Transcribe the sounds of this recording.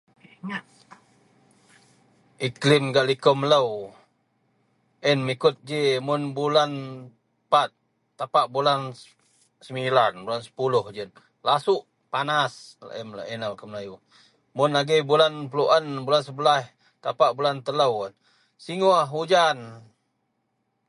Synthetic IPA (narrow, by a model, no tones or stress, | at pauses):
ŋa | ʔiklɪmɡaʔlikɔmləw | ʔɛnmikʊt̪̚d͡ʒimʊnbulan | pat̪̚ː | apaʔbulan | səmilanbulansə̥pulʊhd͡ʒən | lasʊʔ | panasl̰ʔɛmlə̰ʔɛnakəmlaju | mʊnaɡibulanpəluʔanbulansəbəlah | t̪apaʔbulant̪ələw | siŋuahud͡ʒan